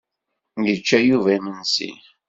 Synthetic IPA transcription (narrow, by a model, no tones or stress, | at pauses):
jət͡ʃːæjuvæmənsḭ